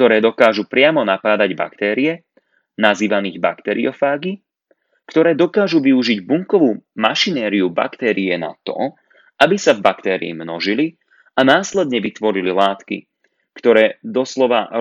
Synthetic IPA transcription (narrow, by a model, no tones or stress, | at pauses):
k̚t̪ɔɾɛːd̪ɔkaːʒupɾɪamɔnapaːd̪aɟba̰kt̪ɛːɾiɛ | naziːʋaniːɣba̰kt̪ɛɾiɔfaːɡi | kt̪ɔɾɛːd̪ɔkaːʒuʋiuʒiɟbuŋkɔʋuːmaʃinɛːɾiuba̰kt̪ɛːɾiɛna̰t̪ɔ̰ | ʔabisavbakt̪ɛːɾḭːmnɔʒili | anaːslɛd̪ɲɛʋit̪ʋɔɾililaːt̪kḭ | kt̪ɔɾɛːd̪ɔslɔʋa̰